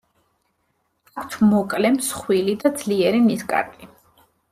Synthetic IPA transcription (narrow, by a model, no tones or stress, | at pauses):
akʰt̪ʰmɔkʼlɛmsχwilid̪ad̪zliɛɾiniskʼa̰ɾkʼi